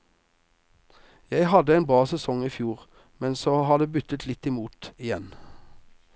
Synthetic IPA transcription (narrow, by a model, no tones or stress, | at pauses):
jæɪhɑd̪əeːnbʁɑːsɛsɔŋiːfjuːʁ | mɛnsoːhɑːd̪eːbʏt̪ət̪ʰlɪt̪ɪmuːt̪ɪjɛn